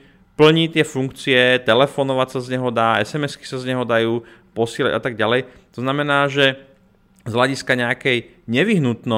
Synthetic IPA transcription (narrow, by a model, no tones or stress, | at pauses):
pl̩ɲit̪ɪɛfuŋkt͡siɛt̪ɛlɛfɔnɔʋacsazɲɛɦɔd̪aːɛ̰sɛmɛski̥sazɲɛɦɔd̪ajuː | pɔsɪɛla̰ɟʔa̰t̪aɡ̚ɟalɛj | t̪ɔznamɛnaːʒɛ | zɦlaɟiskaɲɛakɛj | ɲɛʋiɦnut̪nɔ